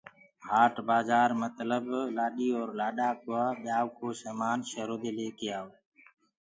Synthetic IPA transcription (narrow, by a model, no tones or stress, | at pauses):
haːʈbaːzaːɾmət̪ləblaːɗiːɔːɾlaːɗaːkʊəɓjaːwkoːsəːmaːnʃəɾoːd̪eːleːkeaːoː